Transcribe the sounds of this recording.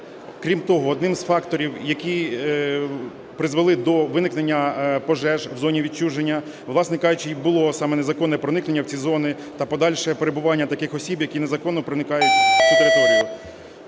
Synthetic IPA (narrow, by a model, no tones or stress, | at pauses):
kɾʲimt̪ɔɦɔːd̪nɪmzfɑkt̪ɔɾʲiwjɐkʲi | pɾɪzʋelˠɪd̪ɔʋɪnɪknenʲːɐpɔʒɛʒwzɔnʲiʋʲit͡ʃuʒenʲːɐ | ʋlˠɑsnɛkɑʒʊt͡ʃɪibʊlˠɔsɑmɛnezɐkɔnːɛpɾɔnɪknenːɐwt͡sʲizɔnɪ | t̪ɐpɔd̪ɑlʲʃɛpeɾebʊʋɑnʲːɐt̪ɐkɪxɔsʲibjɐkʲinezɐkɔnːɔpɾɪnɪkɑjʊtʲsʲid̪eɾeɦɔɾʊ